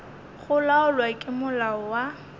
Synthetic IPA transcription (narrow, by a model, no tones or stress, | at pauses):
χʊlaʊlwakʼɪmʊlaɔwa